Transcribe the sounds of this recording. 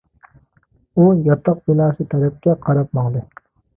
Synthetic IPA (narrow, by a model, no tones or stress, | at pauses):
ujɑt̪ʰɑq̚bɪnɑːsɨt̪ʰɛɾɛp̚kʲɛqʰɑɾɑp̚mɑŋd̪ɨ